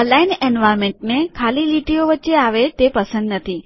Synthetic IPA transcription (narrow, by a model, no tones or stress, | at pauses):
əlainenʋajɾmẽɳʈnekʰaliliʈijoʋətːʃeaʋet̪epəsə̃nd̪nət̪ʰi